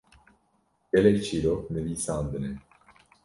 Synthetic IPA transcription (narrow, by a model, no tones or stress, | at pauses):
ɡ̥ɛlɛk̚t͡ʃʰiːɾok̚nɛviːsaːnd̪ɨnɛ